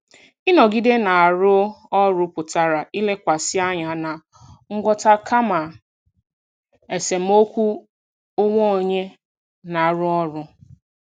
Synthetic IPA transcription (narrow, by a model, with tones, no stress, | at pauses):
i˦nɔ˨ɡi˦de˦na˨a˨ɾʊ˦ɔ˦ɾʊ˨pʊ˨ta˨ɾa˨i˦le˦kʷa˨sɪ˦a˦ɲa˨na˨ | ŋ̩˦ɡʷɔ˦ta˦kʰa˦ma˨ | e˨se˨m̩˦o˦kʷu˦ | o˦ŋʷo˦o˨ɲe˦ | na˨a˨ɾʊ˦ɔ˦ɾʊ˨